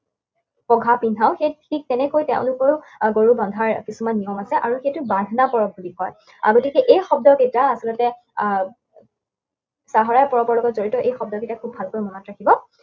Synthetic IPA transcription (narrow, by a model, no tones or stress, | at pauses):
pɔɡʱapindʱaʊxejtʰik̚tɛnɛkojtɛ̃ʊ̃lʊkɔɹ | ɡoɹubɔndʱaɹkisumanːijɔmasɛʔaɹuxejtʊbadʱnapɔɹɔb̚ʱulikɔj | a̰ɡotikɛʔejxɔb̚dɔketaːsilɔtɛ | saɦɔɹajpɔɹɔbɔɹlɔɡɔtzoɹitɔʔejxɔb̚dɔketakʰubʱalkojmɔnɔtɹakʰibɔ